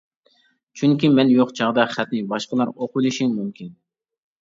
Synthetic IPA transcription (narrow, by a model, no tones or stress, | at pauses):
t͡ʃʰyŋkʲimɛnjoqt͡ʃʰɑʁd̪ɑχæt̪nɪbɑʃqəlˠɑɾoqʰʊlˠɪʃiŋmymkʲin